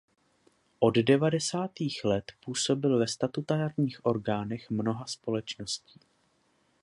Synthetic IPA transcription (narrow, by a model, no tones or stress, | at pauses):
ʔo̞ddɛvadɛsaːt̪iːxlɛt̪puːso̞bɪlvɛst̪at̪ut̪aːɾɲiːxʔo̞ɾɡaːnɛxmno̞ɦaspo̞lɛt͡ʃno̞sciː